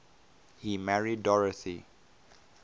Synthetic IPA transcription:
himɛɹidɔɹəθi

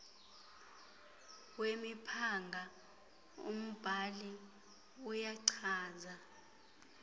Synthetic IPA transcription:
wemipʰaŋɡʱa | ṵm̩b̥ʱali | ujaǀʰaːza

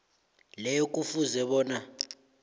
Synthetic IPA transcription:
lɛjokʼufuzɛɓɔːna

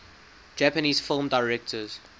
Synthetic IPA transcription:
d͡ʒæpəniːz̥fɪlmdaɪɹɛk̚tʰəz̥

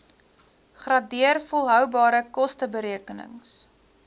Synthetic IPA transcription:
χrɑdiərfɔlˠɦœwbɑːɾəkɔstəbəɾiəkənə̰ŋs

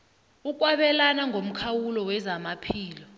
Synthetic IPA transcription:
uk̬ʼwaɓɛlanaŋʱom̩kʰawulɔwɛzamapʰiːlɔ

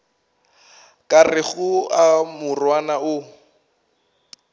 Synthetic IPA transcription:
kʼarɪχʊamʊrwanaʊ

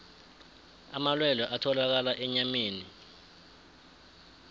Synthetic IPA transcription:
a̰malwɛlɔʔatʰɔlak̬alaʔɛɲameːni

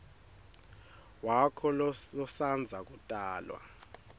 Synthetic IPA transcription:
wakʰɔlɔsand͡zʱak̬utʼaːlwa̰

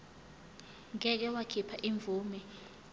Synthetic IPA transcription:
ŋɛk̬ɛwakʰipʰaʔiɱb̪vuːmi

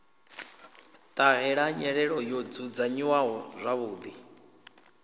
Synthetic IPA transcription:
t̪ʼaɦɛɺaɲɛɺɛɺɔjɔd͡zud͡zaɲiwaɦɔzʷaβuːd̪i

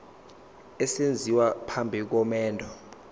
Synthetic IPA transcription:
ɛsend͡zʱiwapʰambʱik̬ɔmɛːndʱɔ

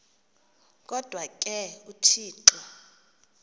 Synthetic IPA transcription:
kʼɔd̥ʱwakʼɛutʰiːǁɔ

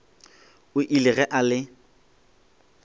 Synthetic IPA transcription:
ʊʔilɪɣɛʔalɪ

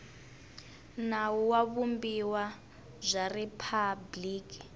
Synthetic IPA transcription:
nawuwaβumbiwa | zʷaripʰabliːki

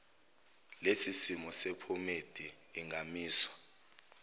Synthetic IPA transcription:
lesisimɔsepʰomed̥ʱiː | ŋʱamiːswḁ

